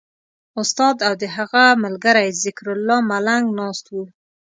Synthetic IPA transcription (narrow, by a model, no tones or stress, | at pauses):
ʊst̪ɑd̪awd̪əɦaɣamalɡaɾajzɪkɾʊlːɑmalaŋɡnɑst̪wu